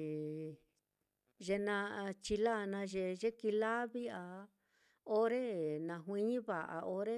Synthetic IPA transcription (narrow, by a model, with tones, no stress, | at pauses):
ʒe˧nã˧t͡ʃi˧la˦˧nã˧ʒe˧ʒe˦ki˧la˦βi˦a˧ | o˦ɾe˦nã˧ɦwĩ˧˦ɲĩ˦βa˨ʔa̰˨˧o˦ɾe˦